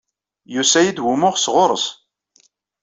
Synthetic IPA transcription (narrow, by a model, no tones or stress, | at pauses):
jusæjid̪wumʊʁsʁʊɾˤəs